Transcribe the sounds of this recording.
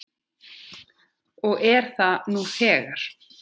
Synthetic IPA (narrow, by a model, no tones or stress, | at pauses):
ɔɣɛɾ̥θanuθɛːɣaɾ̥